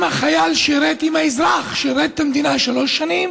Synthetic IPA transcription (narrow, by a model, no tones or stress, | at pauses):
maχajalʃeiɾet̪imaizʁaχʃejiɾet̪̚ːamd̪inaʃalo̞ʃːanim